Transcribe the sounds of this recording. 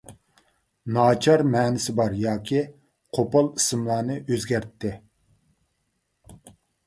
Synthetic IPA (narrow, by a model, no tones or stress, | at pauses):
nɑːt͡ʃʰɑɾmɛːnɪsɪbɑɾjɑːkʲʰi | qʰopɑlˠisɨmlˠɑːnɨʔøzɡʲæɾt̪ʰːɪ